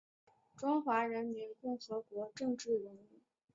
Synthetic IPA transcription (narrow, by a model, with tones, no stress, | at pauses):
ʈ͡ʂwɑ˥ŋxwa˧˥ɻə˧˥nmi˧˥nkʊ˥˩ŋxɤ˧˥kwɔ˧˥ʈ͡ʂɤ˥˧ŋʈ͡ʂɻ̩˥˩ɻə˧˥ni˥˩˦